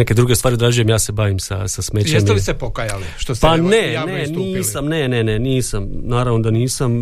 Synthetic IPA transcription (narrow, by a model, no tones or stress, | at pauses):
ne̞ke̞d̪ɾuɡe̞st̪ʋaːɾiod̪ɾad͡ʒuje̞mjaːse̞baːʋimsa̰sasmet͡ɕeɲlisepokajaliʃt̪ospaneneniːsamnene̞neniːsamnaːɾaʋno̞d̪aniːsam